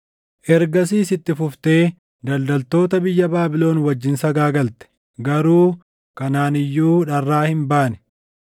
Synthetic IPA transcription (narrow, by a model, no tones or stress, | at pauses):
ʔɛɾɡɐs̬iːsɪt̪ːɪfʊft̪e̞ː | d̪ɐld̪ɐlt̪o̞ːt̪ɐbɪjːɐbaːbɪlo̞ːnwɐd͡ʒːɪnsɐɡaːɡɐlt̪ɛ̥ | ɡɐɾuː | kɐnaːnɪjːuːᶑɐrːaːhɪmbaːnɛ̥